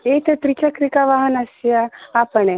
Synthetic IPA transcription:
et̪et̪ɾit͡ʃakɾikaʋaɦənasjaapəɳ̃e

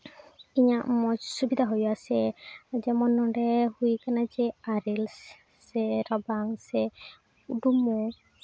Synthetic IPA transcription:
iɲaʔmɔsubid̪ʱaɦojasɛd͡ʒɛmɔnɔɖɛhujkanad͡ʒɛaɾilsː | ɛɾɔbaŋsɛ | uɖumɔ

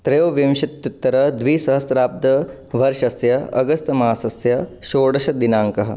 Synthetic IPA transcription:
t̪ɾeːʋɐʋjɐmʃɐt̪jut̪ːɐɾɐd̪ʋiːsɐɦɐsɾaːp̚d̪ɐ | ʋɐɾʃɐsjɐɐ̰ɡɐst̪ɐmaːsɐsjɐʃoːɽɐʃɐd̪inaːŋkɐɦɐ̆

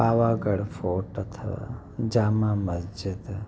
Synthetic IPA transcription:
aʋaɡəɽfoʈət̪ʰəʋa̰ | d͡ʒamãməsd͡ʒɪd̪

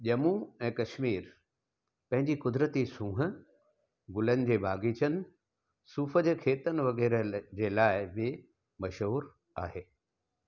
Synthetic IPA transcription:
ʄɐmũɛ̃ːkɐʃmiːɾ | pɐ̃ɦɪ̃ɲd͡ʑikʊd̪ɾət̪isũːɦə̆ | ɡʊlənɪ̆d͡ʑeːbʱaːɡit͡ɕʰənɪ̆ | suːfə̆d͡ʑeːkʰeːt̪ənɪ̆ʋɐɣɛːɾəd͡ʑeːlaːɪbɪ | mɐʃɦuːɾ | aːɦeː

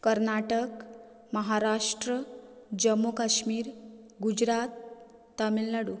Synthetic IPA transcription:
kəɾnaʈək | məɦaɾaʂʈɾəd͡ʑəmːukaɕmiːɾ | ɡud͡ʑɾat̪ː | amilːaɽu

